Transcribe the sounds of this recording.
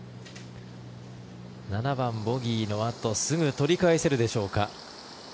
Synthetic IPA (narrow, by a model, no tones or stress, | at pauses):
nanabãmbo̞ɡʲiːno̞at̪o̞sɨɡɯ̟t̪o̞ɾʲikaese̞ɾɯ̟d̪e̞ɕo̞ːka